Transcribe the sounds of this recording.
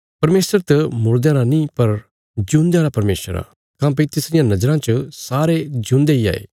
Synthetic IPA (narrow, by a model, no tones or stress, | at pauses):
pɐɾmeːsəɾt̪ɐmʊɾd̪ãːɾanĩpɐɾ | d͡ʒũːnd̪jaːɾapɐɾmeːsəɾa̰ː | kãːp̬it̪ɪsɾɪjãnɐd͡ʒɾãt͡ʃəsaːɾed͡ʒũːnd̪eia̰ːḛː